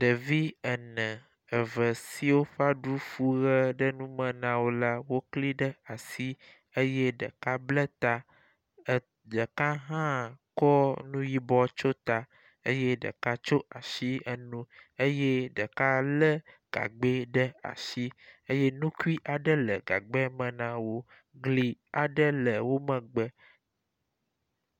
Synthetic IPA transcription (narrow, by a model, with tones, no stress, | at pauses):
ɖə˨vi˦ə˨nə̃˨ | ə˨və˨si˦wo˦ɸa˦ɖu˦fu˦ɣə˦ɖə˦nũ˦mə̃˨nã˨wo˦la˦wo˦kli˦ɖə˦a˨si˦ | ə˦je˦ɖə̰˨ka˦blə˦t̪a˦˨ | ɖə˨ka˦ɦã˦kɔ˦nũ˦ji˦bɔ˦t͡ʃo˦t̪a˨ | e˦je˦ɖə̰˨ka˦t͡ʃo˦ʔa˨ʃi˦ə˦nũ˦e˦je˦ɖə˨ka˦lə˦ɡ̥a̰˨ɡ͡be˦ɖə˦a̰˨ʃi˦e˦je˦nũ˦ku˦i˦ʔa˨ɖə˦lə˨ɡa̰˨ɡ͡be˦mə̃˨nã˦wo˦ | ɡli˨a˨ɖə˦lə˨wo˦mə̃˨ɡ͡bə˦